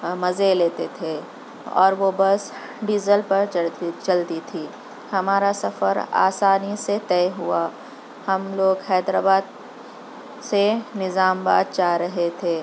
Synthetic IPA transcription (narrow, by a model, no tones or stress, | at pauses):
mɐzeleːt̪et̪ʰe | ɔ̰ːɾʋobɐs | ɖiːzəlpɐɾt͡ʃɐlt̪it̪ʰiː | hɐmaːɾasɐfəɾa̰ːsaːniset̪ɛːɦʊa | hɐmloːɡxɛːd̪ɾaːbaːd̪̚ | senɪzaːmbaːd̪̚t͡ʃaːɾɐɦet̪ʰeː